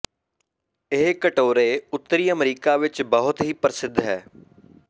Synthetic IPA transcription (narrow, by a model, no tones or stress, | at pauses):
ɪɦkəʈoːɾeːʊt̪ːəɾiːəmɾiːkaːʋɪt͡ʃbəɦʊt̪ɦiːpəɾsɪd̪ʱɦɛː